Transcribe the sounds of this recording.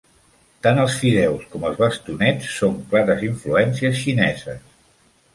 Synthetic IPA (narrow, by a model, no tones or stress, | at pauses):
t̪anəlˠsfiðɛwskɔməlˠzβəst̪unɛt͡sːoŋklaɾəziɱfluɛnsiəsʃinɛzə̰s